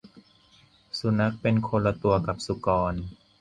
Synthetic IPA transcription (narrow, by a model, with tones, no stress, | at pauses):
su˧˦na˦˥k̚pe˧nkʰo˧nlːa˧t̪u˧ɐka˨˩p̚su˧˦kɔː˧n